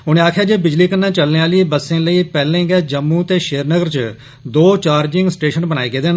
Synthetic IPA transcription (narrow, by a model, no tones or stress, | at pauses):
ʊnẽːaːkʰjaːd͡ʒeːbɪd͡ʒliːkənːãːt͡ʃəlnẽaːliːbəsːẽːləiːpɛːlẽːɡɛːd͡ʒəmːũːt̪eːʃeːɾnəɡəɾt͡ʃ | d̪oːt͡ʃaːɾd͡ʒɪ̃ŋɡsʈeːʃənbənaːeːɡeːd̪eːn